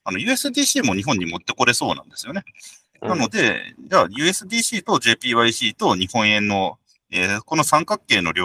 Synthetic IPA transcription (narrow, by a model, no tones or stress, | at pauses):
ano̞jɯ̟ːe̞sɨd̪ʲiːɕiːmo̞ɲ̟iɦõ̞ɲ̟ːimo̞t̪ːe̞ko̞ɾe̞so̞ːnã̰nd̪esɨjo̞ne | nano̞d̪e̞d͡ʑajɯ̟ːe̞sɨd̪ʲiːɕiːt̪o̞ʑe̞ːpʲiːβaiɕiːt̪o̞ɲ̟ihõ̞ɰ̃ẽ̞nːo̞ | eːko̞no̞sãŋkakːe̞ːno̞̰ɾʲo